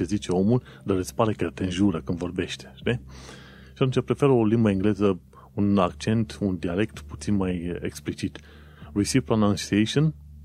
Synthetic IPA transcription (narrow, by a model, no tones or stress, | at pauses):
t͡ʃezit͡ʃe̞o̞mul | d̪aɾət̪spaɾe̞kəjat̪eɨnʒuɾəkɨnd̪vo̞rbe̞ʃt̪e̥ʃt̪i | ʃiat̪ũnt͡ʃʲapɾe̞fe̞ɾo̞limbəiŋɡle̞zə | unakt͡ʃe̞nt̪und̪iale̞kt̪put̪sinmajḛksplit͡ʃit̪ | risivpɾonãw̃siejʃon